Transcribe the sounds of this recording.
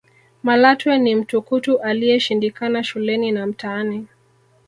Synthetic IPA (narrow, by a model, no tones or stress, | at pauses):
malatwɛnim̩tukutuʔalijɛʃindikanaʃulɛninam̩taːnɛ